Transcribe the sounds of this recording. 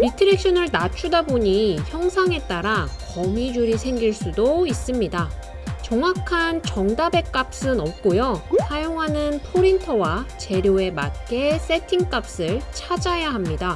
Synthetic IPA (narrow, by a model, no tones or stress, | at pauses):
ɾitʰɯɾe̞k̚ɕ͈ʰʌnɯɭnat͡ɕʰudaboɲiçjʌŋsʰaŋe̞t͈aɾakʌmid͡ʑuɾisʰe̞ŋɡiɭs͈udois͈ɯmɲida | t͡ɕʌŋakʰant͡ɕʌŋdabe̞k͈ap̚s͈ɯnʌp̚k͈ojosʰajoŋɦanɯnpʰoɾintʰʌwat͡ɕe̞ɾjoe̞mat̚k͈e̞s͈e̞tʰiŋk͈ap̚s͈ɯɭt͡ɕʰad͡ʑajaɦamɲida